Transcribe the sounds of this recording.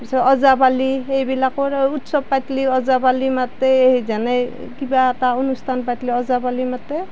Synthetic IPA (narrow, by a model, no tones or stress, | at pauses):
sɔɔzabaliejbilakɔɹutsɔb̚pajtliɔzabalimateeɦizanɛ | kibaɛtaonustʰanpatliɔzabalimatɛ